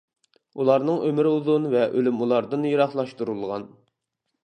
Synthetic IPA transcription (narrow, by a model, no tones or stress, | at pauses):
ulˠɑɾnɨŋʔømɪɾɪuðunvɛʔølymulˠɑɾd̪ɨnjɑɾɑχlˠɑʃt̪uɾulˠʁɑn